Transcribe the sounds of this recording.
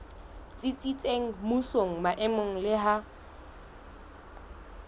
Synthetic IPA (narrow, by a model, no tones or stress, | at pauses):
t͡sʼit͡sʼit͡sʼeŋ̩musoŋ̩maʔɛmoŋ̩lɪɦa